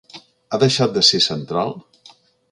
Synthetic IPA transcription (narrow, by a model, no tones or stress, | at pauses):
aðəʃat̪̚d̪əsesənt̪ɾalˠ